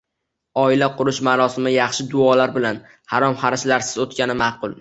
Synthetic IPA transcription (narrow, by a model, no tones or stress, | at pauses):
ɒɪlaqʰʊɾʊʃmaɾɒsɪmɪjɑχʃɪd̪ʊɒlaɾbɪlan | haɾɒmχɑɾɪʃlaɾsɪ̥zot̪̚kʲanɪmaqʊlˠ